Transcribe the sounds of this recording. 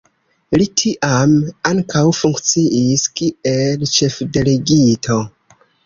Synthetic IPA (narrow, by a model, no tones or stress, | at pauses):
litʰiʔamaŋkʰawfuŋkt͡siʔiskielt͡ʃe̞fde̞le̞ɡitʰo̞